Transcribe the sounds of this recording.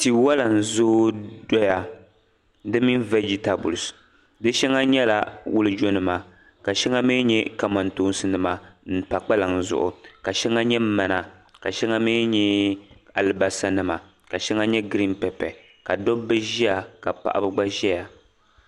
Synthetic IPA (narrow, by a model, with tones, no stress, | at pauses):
ti˨wa˦la˨n̩˨zoː˦dɔ˦ja˨ | dɨ˦mi˦n˦vɛ˦d͡ʒi˨ta˨bṵ˨ls | dɨ˦ʃɛ˦ŋa˦ɲɛ˦la˨wʊ˦lɨ˦d͡ʒo˦nɨ˨ma˨ | ka˨ʃɛ˦ŋa˦mi˦ɲɛ˦ka˨ma˨ntoː˦n˦sɨ˨nɨ˦ma˨n̩˨pa˨k͡pa˦la˨ŋ˨zʊ̰˨ʔʊ̰˨ka˨ʃɛ˦ŋa˦ɲɛ˦m˦ma˨na˨ka˨ʃɛ˦ŋa˦mi˦ɲɛ˦a˨lɨ˨ba˨sa˦nɨ˦ma˨ | ka˨ʃɛ˦ŋa˦ɲɛ˦ɡɾi˦npɛ˨pɛ˨ | ka˨dɔ˦bɨ˦ʒi˦a˨ka˨pa̰˨ʔa̰˦bɨ˦ɡ͡ba˦ʒɛ˦ja˨